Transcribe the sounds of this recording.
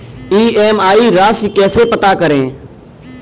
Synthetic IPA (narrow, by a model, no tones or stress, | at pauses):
iːeːmaːiːɾaːsiːkɛːseːpət̪aːkəɾẽː